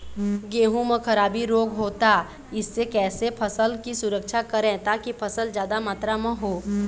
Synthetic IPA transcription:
ɡeːɦũmə̃kʰɐɾaːbiɾoːɡɦoːt̪a | ɪsːekɛːsepʰɐsəlkisʊɾəkʃʰakɐɾẽt̪aːkipʰɐsəld͡ʒjaːd̪amaːt̪ɾamə̃ɦoː

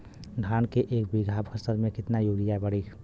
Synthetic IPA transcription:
ɖʱaːnkeʔeːk̚biɡʱaːbkʰəsəɾmẽkɪt̪najuɾijabəɽikʰ

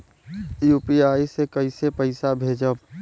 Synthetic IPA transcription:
juːpiaːisekəisepəɪsabʱeːd͡ʒəb

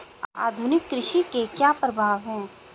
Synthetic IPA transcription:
a̰ːd̪ʱʊnɪkːɾɪʃikekjaːpɾəbʱaːʋɦɛ̃ː

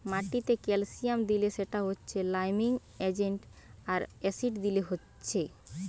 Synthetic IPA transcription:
maʈit̪ekelsijamd̪ileʃeʈaɦotːɕʰelajmiŋ | ed͡ʑeɳʈaɾɛsiɖd̪ileɦotːɕʰe

